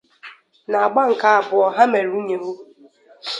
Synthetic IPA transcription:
na˨a˨ɡ͡ba˦ŋ̩˨ka˦a˨bʊ˨ɔ˨ɦa˦me˨ɾu˦ɲe˨ɦu˦

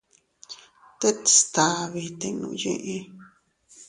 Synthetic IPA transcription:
t̪e˦t̪i̥˨st̪a˨˧βi˧t̪e˧nṵ̃˧˦jḭ̃˦ʔĩ˧

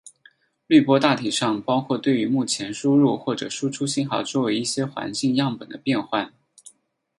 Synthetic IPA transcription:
ly˥˩pwɔ˥t̪a˥˩t̪ʰi˨˩ʂɑ˥˩ŋpɑ˥ʊkʰwɔ˥˧t̪we˥˩ɪy˧˥mu˥˩t͡ɕʰjɛ˧˥nʂu˥ɻu˥˧xwɔ˥˩ʈ͡ʂɤ̰˨˩ʂu˥ʈ͡ʂʰu˥ɕi˥nxɑ˨˩ʊt͡swɔ˥˩we˧˥ɪi˥˩ɕjɛ˥xwa̰˧˥nt͡ɕi˥˧ŋjɑ˥˩ŋpə˨˩nd̪ə˦pjɛ˥˧nxwa˥˩n

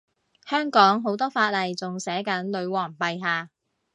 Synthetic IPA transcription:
hœː˥ŋkɔː˨˥ŋɦo˨˥wt̪ɔː˥faː˧t̚lɐ˨jt͡sʊ˨ŋsɛː˨˥kɐ˨˥nlɵ˨˧ɥwɔː˨˩ŋpɐ˨˧jɦaː˨˧

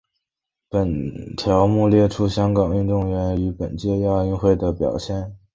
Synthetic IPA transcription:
pə˨˩nt̪ʰjɑ˧˥ʊmu˥˧ljɛ˥˧ʈ͡ʂʰu˥ɕjɑ˥ŋkɑ˨˩ŋy˥˧nt̪ʊ˥˩ŋɥɛ˧˥ny˧˥pə˨˩nt͡ɕjɛ˥˧jɑ˥˧y˥˧nxwe˥˩ɪd̪ə˩pjɑ̰˨˩ʊɕjɛ˥˩n

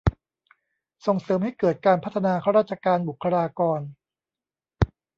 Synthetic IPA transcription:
so˨˩ŋsɤː˩˦mha˥˩jkɤː˨˩t̪̚kaː˧npʰt̪ʰːa˧naː˧kʰa˥wɾaː˥˩t̪̚t͡ɕʰa˧kaː˧nbu˨˩kʰːa˧ɾaː˧kɔː˧n

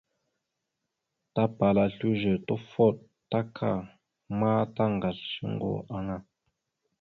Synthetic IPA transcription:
ta˦pa˨la˨ɬu˦ʒə˨tɔ˦fɔ˦˨t̚ | ta˦kʰa̰˦˨ | maː˦ta˦ŋ˨ɡa˨lʃə̰˦ŋ˦ɡɔ̰˨a˦ŋa˦

